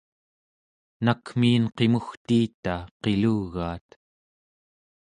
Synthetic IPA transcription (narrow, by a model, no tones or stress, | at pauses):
nakmiːnqe̞muxt̪iːt̪aqe̞luɣaːt̪